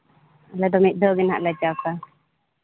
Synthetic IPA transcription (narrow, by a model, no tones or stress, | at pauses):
lɛd̪ɔmit̪̚ˀd̪ɔɡɛna̰ʔlɛd͡ʒaka